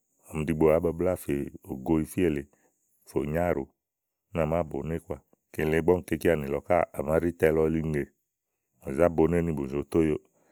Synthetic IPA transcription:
ɔ˨m̩˨di˧ɡ͡bo˨a˨˦ba˧bla˦˨fe˨o˨ɡo˧˦i˧fi˦e˦˨le˨ | fo˨ɲa˦˨ɾo˨˦ | na˨ma˦bo˨˦ne˦kwa˦˨ | ke˨le˨˦ɡ͡bɔ˦ŋ̩˦ke˧˦ki˦a˨nĩ˨lɔ˨˦ka˦a˨ma˨˦ɾi˦tɛ˧lɔ˦li˦˧˦e˨ | o˨za˦bo˨˧˦ne˦nĩ˧˨bo˨zo˨˦t̪o˦jo˦

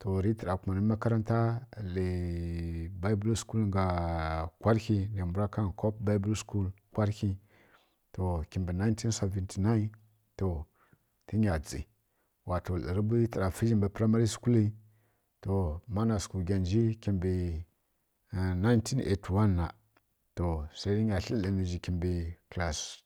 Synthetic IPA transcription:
to˨ɾi˦tə˨ɾa˨ku˨ma˨ni˦ma˦ka˦ɾa˦nta˦le˨ | ba˦i˦bu˦lsku˦lŋɡa˨kʷa˦ɾki˦le˨mbu˦ɾa˦ka˦nkʰo˦p̚ba˦bu˦lsku˦lkʷa˦ɾki˦ | to˨kʲi˨mbi˨na˦i˦n˦ti˦n˦se˨vi˨ntʰi˨na˦i˦n | to˨ | ti˦ɲʲa˨d͡zḭ˨ | wa˨to˨lə̰˨ɾi˦bi˦tə˨ɾa˨fi˦d͡ʒi˦mbi˨pɾa˦ma˦ɾi˦sku˦li˦ | to˨ma˦na˨sku˨lɡʲa˨nd͡ʒi˦ki˨mbi˨ | na˦ntʰi˦nḛ˨tu˨wa˦nːa˨ | to˨sa˦i˦i˦ɲa˨ɬə˦i˨ni˨ʒi˨ki˨mbi˨kla˨s

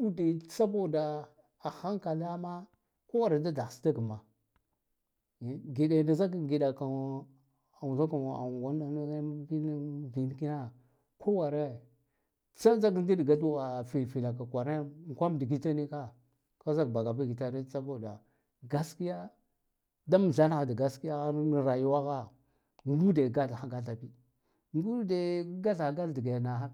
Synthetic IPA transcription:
u˦di˨˦t͡sa˦bo˦˨da˨ | a˨xa˦ŋ˦ka˨la˦ma˦ | ko˦wa˨ɾe˨da˦da˨sta˦ɡə˨ma˨ | ɡi˨da˨nda˨za˦kɡi˨da˨ka˨ | a˨wu˨za˦ka˨a̰˨wa˦na˦n˦i˦vi˨n˦ki˦na˦ | kʰo˦wa˨ɾe˦ | t͡sa˦d͡za˦k̬n˦di˦dɡa˦du˦a˨fi˨lfi˨la˨ka˨kʷa˨ɾe˦ŋ˨kʷa˦m˨di˨ɡi˦ta˦ni˦ka˦ | ka˦za˦kba˨ɡa˨bi˦˨ɡi˨ta˦ni˦t͡sa˦ba˦˨da˨ | ɡa˦ski˦ja˦ | da˦m˨ɮa˦na˦xa˨da˨ɡa˦ski˦ja˦a˦ni˨ɾa˨ju˦wa˦ɣa˦ | ŋ˦ɡu˦de˨ɡa˦ɬxa˨ɡa˦ɬa˨bi˦ | ŋ˦ɡu˦de˨˦ɡa˦ɮa˨ɡa˦ldi˨ɡa˨na˨a˦

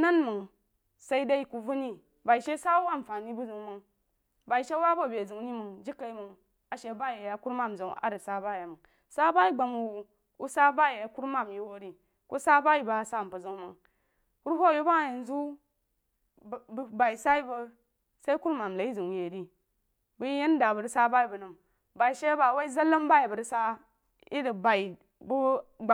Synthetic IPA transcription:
na˦nmɨ˨ŋ | sa˦i˦da˦i˦ku˨vu˦ni˦ | ba˨i˨ʃe˦sa˦u˦wa˦˨m˨fa˨ni˦bu˦zu˨ŋmɨ˨ŋ | ba˨i˨ʃe˦wa˦bo˦˨be˨zu˨ŋ˦ni˦mə˨ŋd͡ʒi˦kːa˨i˦mə˨ŋ | a˨ʃe˨˦ba˦je˨ja˨ku˦ɾma˦˨m˨zo˨ŋ˨a̰˨˦ɾə˨sa˦ba˦˨ja˨mə˨ | sa˦ba˦i˦ɡ͡ba˨mu˨ | u˦sa˦ba˦je˨ja˨˦ku˦ɾma˦˨mji˨wo˦ɾi˦ | ko̰˦sa˦ba˦ji˦ba˨sa˦˨m˨pə˨zə˦ŋ˦mə˨ŋ | ku˦ɾɸo˦˨ju˦ba˦˨ji˨n˦zu˦˨ | ba˨i˨sa˦i˦bə˦ | sa˦i˦ku˦ɾma˨m˨la˨i˦zi˨je˨ɾi˦ | bu˦jje˦n˦da˨bə˨ɾi˦sa˦ba˦ji˨bə˨nu˨m | ba˨i˨ʃe˦ba˨wa˦i˦za˦lːə˦mba˦ji˨bə˨ɾi˦sa˦ | i˦də˨ba˨i˨ | bu˦ɡ͡ba˨

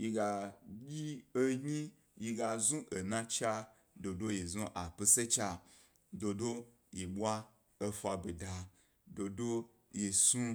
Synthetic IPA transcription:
ji˧ɡa˧jʲi˦e˦ɲĩ˦ | ji˧ɡa˧zũ˦ʔe˨nã˧t͡ʃa˧ | do˨do˦je˨zũ˦ʔa˨pe˧se˦t͡ʃa˧ | do˧do˦ | je˨ɓʷa˦ | e˧fa˧be˨da˧ | do˧do˦ | je˨sũ˧

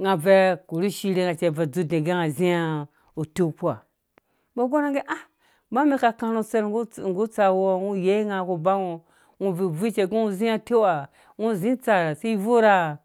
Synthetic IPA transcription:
ŋa˨ve˦ku˨ɾu˦ʃi˦ɾe˦ŋa˨t͡ʃe˨ve˨d͡zu˦dẽ˨ɡe˦ŋa˨zĩ˦a˦ | o˨to˦˨pu˦a˨ | bo˦ɡo˦ɾa˦ŋɡe˦ʔa˦ | ba˦me˦ka˨kã˧ɾo˦˧t͡se˦ɾɡŋ˨ɡu˦t͡sa˨wo˦ŋu˦je˦ŋa˨ko˧ba˦ŋo˨ | ŋu˦vi˨vi˦t͡ʃe˨ɡi˦ŋu˦zĩ˦a˦te˦a˨ | ŋu˦˨zĩ˦t͡sa˨ɾa˨se˦i˦vo˦ɾa˦˨

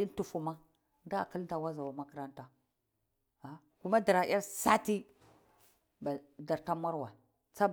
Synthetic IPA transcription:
i˦n˦tu˨fu˨ma˦ | nda̰˦˨ki˦lta˨wa˦za˨wa˨ma˦ki˦ɾa˦nta˦ | a˨ | ku˦ma˦di˨ɾa˨˦a˦ɾsa˦ti˦ | ba˨da˨ɾta˦ma˦ɾwa˨ | t͡sa˦b

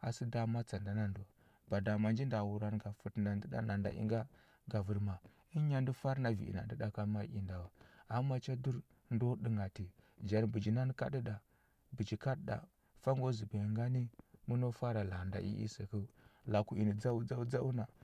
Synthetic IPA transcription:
a̰˨si˦da˨ma˦t͡sa˨nda˦na˦ndo˨ | ba˨da˨ma˨nd͡ʒi˦nda˨wu˨ɾa˨n˨ɡa˨fu˨tna˨ndə˦da̰˨na˨nda̰˨ʔḭ˦ŋɡa˦ | ɡa˨vu˨ɾma˨ | i˦ɲa˦ndi˦fa˦ɾna˨vḭ˨ḭ˨na˨ndə˦da˨ka˦ma˦ḭ˨nda˨wa˨a˨˦mːa˨t͡ʃa˦du˦ɾ | ndo˦ɗi˨ŋɡa˨ti˨d͡ʒa˨ɾbu˨d͡ʒi˨na˦n˦ka̰˦di˦ɗa˨ | bu˨d͡ʒi˨ka˦dɗa̰˨ | fa˦ŋɡo˦zi˨bi˨jŋɡa˦ni˦mu˦no˦fa˦ɾa˨la˨nda̰˨ʔḭ˦ʔḭ˦se˨kə˦la˨ku˨i˨ni˨d͡za˦u˦d͡za˦u˦d͡za˦u˦na˨

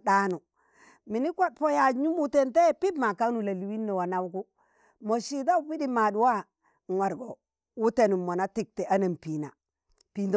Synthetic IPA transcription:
ɗa˦nu˨ | mi˨ni˦kʷa˦t̚po˦ja˨ɲu˦mu˨te˨nte˦pi˦tma˨ka˦nu˨la˨li˨wi˦nːɔ˨wa˨na˨wku˦ | mo˨ʃi˦da˦u˦pi˦di˦ma˨du˨wa˦ | ŋ˨wa˨ɾɡo˨ | wu˦te˨nu˨mːo˨na˦ti˦˨k̚tɛ˨ʔa˦na˨mpi˨na̰˨ | pi˨nd

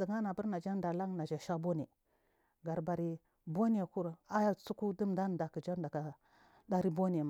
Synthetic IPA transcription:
di˨ɡa˦na˨bu˦ɾna˨d͡ʒa˦n˦da˨la˦ŋna˨d͡ʒa˨ʃa˦bo˦ni˨ | ɡa˨ɾba˨ɾi˨ | bo˦ni˦ja˨ku˦ɾa˦ja˦˨t͡su˦ku˦di˦mda˦n˨da˨kə˨d͡ʒa˦n˦da˨ka˨ | da˦ɾi˦bo˦ni˨a˨ma˨

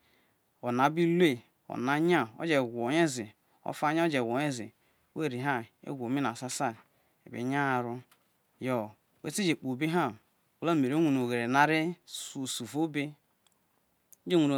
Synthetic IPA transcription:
o˨na˨˦bi˦le˦ | o̰˨na˦ɲa˦˨o̰˦d͡ʒe˨ɡʷo˨ɲe˦zi˨ | o̰˦fa˦ɲa˦o˦d͡ʒe˨ɡʷo˨˦e˦zḭ˨˦ | we˦˨ɾi˨ɦa˦˨ḛ˦ɡʷo˨mi˦na˨sa˦sa˦ | ḛ˨bḛ˨˦ɲa˦˨ɾu˦ | jo˨ | wḛ˦ti˦d͡ʒe˨k͡po˨bi˦ɦa˦˨ | o˨la˦˨me˨ɾo˦ŋʷu˨no˨ɣe˨ɾe˨na˦ɾe˦su˨su˨fo˦be˦ | d͡ʒe˦ŋʷu˨no˨

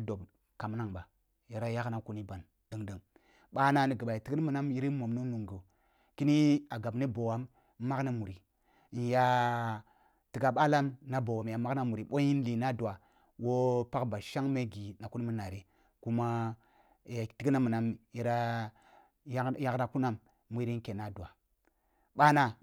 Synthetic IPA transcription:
do˨b | ka˨m˦na˦ŋba˨ | ji˨ɾa˦ja˦kna˦ku˦ni˦ba˨n | d̥ə˦ŋdə˦ŋ | ɓa˦na˦ni˨ɡə˨ɓa˨i˨ti˦ki˦mə˨na˦mji˦ɾi˦mo˨mnu˦nu˨ŋɡo˨ | ki˦ni˦a˨ɡa˨bni˦bo˨wa˨mː | a˦kna˦mu˨ɾi˨ | n˨ja˦ | ti˨ɡa˦ɓa˦la˦mna˦bo˨wa˨m˨ja˨ma˦kna˦mu˨ɾi˨ɓo˦ji˦n˦li˨na˦du˨a˨ | wo˦pa˦kba˨ʃa˦ŋme˦ɡi˨na˨ku˦ni˦mu˦na˨ɾe˨ | ku˦ma˦˨ | ja˨ti˦ɡi˦na˦mu˨na˨˦mji˦ɾa˦ | ja˦kɾa˨ku˦na˦mː | u˦i˦ɾi˦n˦ke˨na˦du˨a˨ | ɓa˦na˦

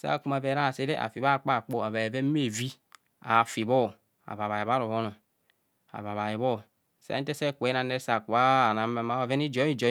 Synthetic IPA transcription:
sa̰˦˨ku˨ma˨ve˨˦ɾa˦˨se˦ɾe˦ʔa̰˨fi˨βa˦˨k͡pa˦˨k͡po˦a˨βa˨e˨ve˦me˦˨vi˦ | a˨fi˨βɔ˦˨ | a̰˨βa˨βa˨ji˨βa˦ɾo˨βo˦no˨ | a̰˨βa˨βa˨ji˨βɔ˦˨ | sa̰˦te˦se˦˨kʷe˨˦na˨ne˦sa˨ku˨a˦˨na˨˦ma˨ma˨˦a˨ve˦ni˦d͡ʒo˦i˦d͡ʒo˨

